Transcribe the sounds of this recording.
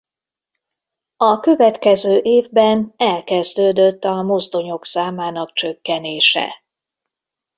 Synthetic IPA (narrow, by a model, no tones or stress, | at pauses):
ɒkø̞vɛt̪kɛzøːʔeːvbɛnɛlkɛzd̪øːd̪øt̪ːɒmo̞zd̪o̞ɲo̞ksaːmaːnɒk̚t͡ʃø̞kːɛneːʃɛ̰